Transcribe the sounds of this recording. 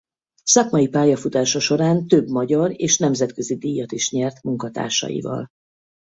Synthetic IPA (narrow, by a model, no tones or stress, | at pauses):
sɒkmɒjipaːjɒfut̪aːʃɒʃo̞ɾaːnt̪ø̞bmɒɟɒɾeːʃnɛmzɛt̪kø̞zid̪ijːɒt̪iʃɲɛrt̪muŋkɒt̪a̰ːrʃɒ̰jḭvɒ̰l